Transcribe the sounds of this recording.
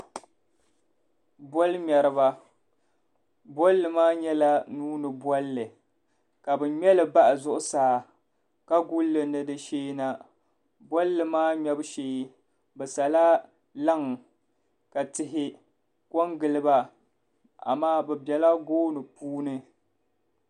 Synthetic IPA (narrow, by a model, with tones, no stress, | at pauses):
bɔ˦lɲɛ˨ɾɨ˨βa˦ | bɔ˦lːɨ˨maː˦ɲɛ˦la˦nuː˦nɨ˨bɔ˦lːɨ˨ | ka˨bɨ˨ɲɛ˦lɨ˨ba˦ʔa˨zʊ˦ʔʊ˦saː˨ | ka˦ɡu˦lːɨ˨nɨ˦dɨ˦ʃeː˦na˦ | bɔ˦lːɨ˨maː˦ɲɛ˦bɨ˦ʃeː˦ | bɛ˨sa˨la˦ | la˦ŋ˨ | ka˨tɪ˨ɦɪ˦ | kɔ˦ŋɡɨ˨lɨ˦ba˦ | a̰˨maː˦bɛ˨bɛ˨la˦ɡoː˦nɨ˨puː˦nɨ˦